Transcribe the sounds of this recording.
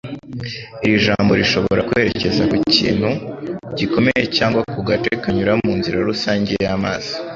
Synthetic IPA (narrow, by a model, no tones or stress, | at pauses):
iɾiʒaːmbo̞ɾiʃo̞βoo̞ɾakwe̞ɾe̞ce̞zakucḭːn̥huɟiko̞me̞je̞caːŋɡwakuɡate̞kaɲuɾammuːnziɾaɾusaːɲɟejama̰ːz̥i